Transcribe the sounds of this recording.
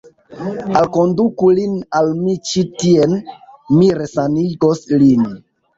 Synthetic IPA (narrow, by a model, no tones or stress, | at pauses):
alkondukulinalmit͡ʃitienmiɾesaniɡoslin